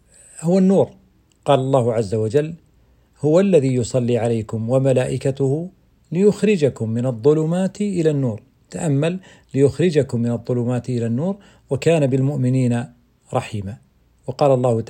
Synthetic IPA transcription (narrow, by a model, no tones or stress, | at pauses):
hʊwanːuːɾ | qɑːlɑlˤːɑːhʊʕazːawad͡ʒalː | hʊwalːaðiːjʊsˤɑlːiːʕalajkʊmwamalaːʔɪkat̪ʊhʊ | lɪjʊxɾɪd͡ʒakʊmːɪnɑðˤːʊlʊmaːt̪ʔɪlanːuːɾ | t̪aʔamːal | lɪjʊxɾɪd͡ʒakʊmːɪnɑðˤːʊlʊmaːt̪ʔɪlanːuːɾ | wakaːnabɪlmʊʔmɪniːna | ɾˤɑħiːmaː | wɑqɑːlɑlˤːɑːhʊ